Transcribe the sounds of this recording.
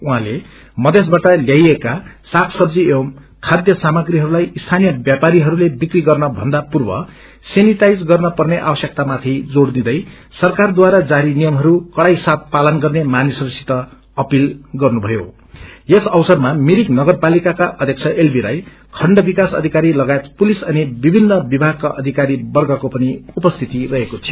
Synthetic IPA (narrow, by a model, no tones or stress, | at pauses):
uɦãle | mʌd̪ʱes̬baʈʌljajekasakʰsʌbd͡ziem | kʰad̪jʌsamʌɡɾiɦʌɾulajist̪ʰanijʌbjapaɾiɦʌɾulebikriɡʌrnʌbʱʌ̰nd̪apurbʌ̰ | senit̪ajd͡zɡʌrnʌpʌrneʔa̰bʌsjʌk̚t̪amat̪ʰid͡zoɽd̪ĩd̪ʌj | sʌrkard̪waɾad͡zaɾinijʌmɦʌɾukʌɽajsat̪̚palʌnɡʌrnemanisʌɾsi̥t̪ʌ | ʌpilɡʌrnubʱʌjo̰ | esʌwsʌrmamiɾiknʌɡʌrpalikakaʔʌd̪ʱjʌkt͡sʰʌʔelbila̰j | kʰʌɳɖʌbikasʌ̰d̪ʱikaɾilʌɡajet̪pulisʌnibibʱinːʌbibʱaɡ̚kaʔʌd̪ʱikaɾibʌrɡʌkopʌniupʌst̪ʰit̪irʌɦekot̪ʰio